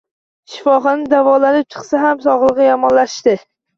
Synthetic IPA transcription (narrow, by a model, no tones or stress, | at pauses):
ʃɪfɒχɑnɪd̪avɒlanɪp̚t͡ʃʰɨ̥qsaɦamsɒʁlˠɨʁɨjɒmɒnlaʃʃt̪ɪ